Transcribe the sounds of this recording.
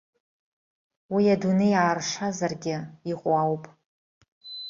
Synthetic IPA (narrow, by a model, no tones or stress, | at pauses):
wiadunejaːrʂazarɡʲɪiqʷʼwawpʼ